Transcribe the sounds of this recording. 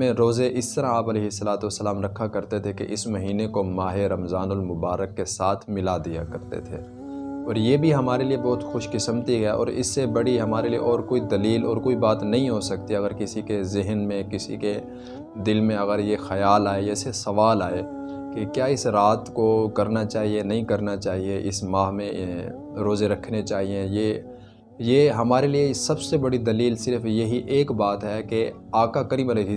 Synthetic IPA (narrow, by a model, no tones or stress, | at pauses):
mẽɾoːzeʔɪst̪ɐɾãaːpɐleːɦɪsːɐlaːt̪uɐsːəlaːmɾɐkʰːakɐɾt̪et̪ʰekḛʔɪsmɐɦiːnekomaːɦeɾɐmzaːnʊlmʊbaːɾəkːesaːt̪ʰmɪlad̪ija̰kɐɾt̪ḛt̪ʰḛː | ɔːɾjeːbʱiɦɐmaːɾeliebɔːt̪xʊʃkɪsəmt̪iɦɛʔɔ̰ːɾɪ̰sːebɐɽiɦɐmaːɾeliḛʔɔːɾkoːid̪ɐliːlɔːɾkoːibaːt̪nɐɦĩɦosɐkt̪iɐɣəɾkɪsikezɪɦnmẽkɪsḭke | d̪ɪlmẽɐɣəɾjexɐjaːlaːejesesɐʋaːlaːe | kekjaːɪsɾaːt̪kokɐɾnat͡ʃaːɦienɐɦĩkɐɾnat͡ʃaːɦieʔɪsmaːɦmẽ | ɾoːzeɾɐkʰnet͡ʃaːɦieje | jeɦɐmaːɾeliesɐbsebɐɽid̪ɐliːlsɪɾfjɐɦiʔeːkbaːt̪ɦɛke | aːkakɐɾiːbɐɾe